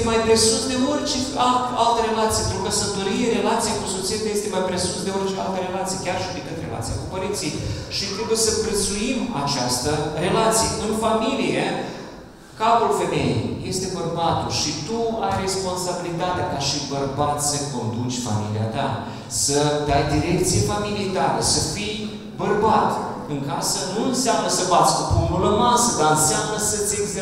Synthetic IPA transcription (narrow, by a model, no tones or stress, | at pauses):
majpɾe̞sut̪d̪e̞ort͡ʃe | aalt̪əɾe̞lat̪sijeenɾukəsənt̪oɾijeɾe̞lat̪sijekusot̪sit̪ejest̪emajpɾe̞sut̪d̪eort͡ʃea̰lt̪əɾe̞lat̪sijekʲarʃiad̪ikɨnd̪relʔa̰t̪sijakupəɾint̪si | ʃit̪ɾubesəpɾət̪suimat͡ʃast̪əre̞lat̪sijeɨnfamilije | kapulfe̞me̞jḛje̞st̪e̞bərbat̪ulʃit̪uajre̞spo̞nsabilit̪at̪eakaʃibərbat̪ʲsəko̞nd̪ut͡ʃʲfa̰milia̰t̪a | sət̪ajd̪iɾe̞k̚t̪sije̞familiet̪aɾəsəfij | bərbat̪ | ɨŋkasənuɨnseamnəsəvasʲkukumbuləmasəd̪aɨnseamnəsət̪sʲesʲ